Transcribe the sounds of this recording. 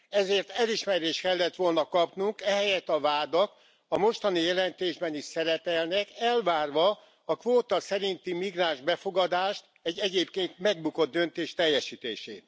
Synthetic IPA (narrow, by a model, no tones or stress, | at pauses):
ɛzeːrt̪ɛliʃmɛɾeːʃt̪kɛlːɛt̪ʋo̞lnɒkɒpnuŋkɛɦɛjɛt̪ɒvaːd̪ɒk | ɒmo̞ʃt̪ɒnijɛlɛnt̪eːʒbɛniʃsɛɾɛpɛlnɛkɛlvaːrʋɒ | ɒkʋoːt̪ɒsɛɾint̪imiɡraːnʒbɛfo̞ɡɒd̪aːʃt̪ | ɛɟːɛɟeːpkeːnt̪mɛɡ̚buko̞d̪̚d̪ø̞nt̪eːʃt̪ɛjːɛʃiːt̪ḛːʃḛːt̪